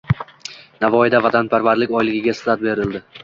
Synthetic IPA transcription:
navɒjɪd̪avat̪ʰanpʰaɾvaɾlɪkʲɒjlɪɡʲɪɡʲasɪd̪at̪̚be̞ɾɪld̪ɪ

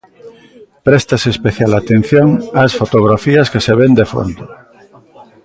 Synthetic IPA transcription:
pɾest̪aseːspeθjalat̪ẽn̟θjoŋasfot̪oɣ̞ɾafiaskeseβend̪efo̰nd̪o

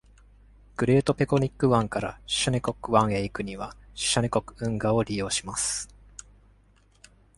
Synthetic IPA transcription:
ɡ̥ɯ̟ɾe̞ːt̪o̞peko̞ɲ̟ikːɯ̟βãŋkaɾa̰̥ɕaɲʲeko̞kːɯ̟βãɰ̃eikɯ̟ɲ̟iβḁɕanʲeko̞kɯ̟̥ɯ̟̃ŋɡao̞ɾʲijo̞ːɕimasɨ̥

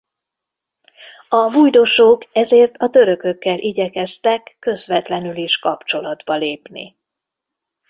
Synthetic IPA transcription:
ɒbujd̪oʃoːkɛzeːrt̪ʰɒt̪ø̞ɾø̞kø̞kːɛlʔiɟɛkɛst̪ɛkːø̞zʋɛt̪lɛnyliʃkɒpt͡ʃo̞lɒd̪bɒleːpnḭ

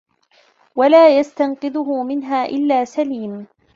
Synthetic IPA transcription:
walaːjast̪anqɨd̪ʊhʊmɪnɦaːʔɪlːaːsaliːm

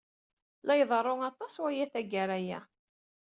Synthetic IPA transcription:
lɑjðˤərˤːoŋɑt̪ˤːɑswæjæθæɡaɾæjæ̰

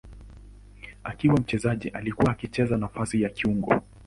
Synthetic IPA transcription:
akiwam̩t͡ʃɛzaʄiʔalikuwaːkit͡ʃɛzanafasijakiuŋɡɔ̰

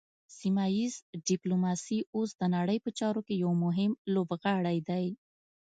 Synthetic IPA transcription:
simajizɖɪplomɑsiosd̪ənaɽəjpət͡ʃɑɾokejawmʊɦɪmlobɣaɽajd̪aj

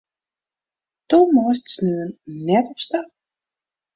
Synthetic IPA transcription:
tumɔəstsnøːənnɛtɔpsta

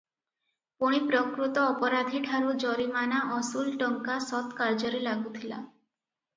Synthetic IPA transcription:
puɽ̃ipɾɔkɾut̪ɔːpɔɾad̪ʱiʈʰaɾud͡ʒɔɾimanaʔɔsulʈɔŋkasɔt̪kaɾd͡ʒɔɾelaɡut̪ʰila̰

